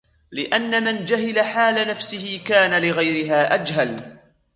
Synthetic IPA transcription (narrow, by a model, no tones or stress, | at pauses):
lɪʔanːamɪnd͡ʒaɦɪlaħaːlanafsɪhɪkaːnalɪɣajɾɪɦaːʔad͡ʒɦal